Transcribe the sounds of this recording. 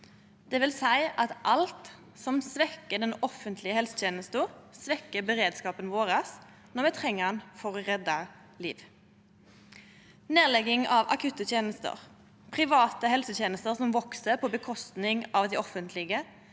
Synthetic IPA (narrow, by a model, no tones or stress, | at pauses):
d̪̥ɛʋɪlsæɪʔɑt̪ʔɑlt̪ | sɔmsʋɛkːəd̪ɛnɔfənt̪ʰlɪəhɛlsə̥t̪ʰeːnəst̪ʊsʋɛkːəbəʁeːd̪skɑːpənʋoːʁɑs | nɔʁmɛt̪ʰʁɛŋːəɑnfɔʁʁɛd̪ːɑ | lḭːʋ | neːʁlɛɡɪŋɑʋɑ̰kʰʉt̪ːət̪ʰjeːnəst̪ə̰ʁ | pʰʁɪʋɑːt̪əhɛlsət̪ʰjeːnəst̪əʁsɔmʋɔksəpʰɔbəkʰɔst̪nɪŋɑʋd̪ɛɔfənt̪ʰlɪɡə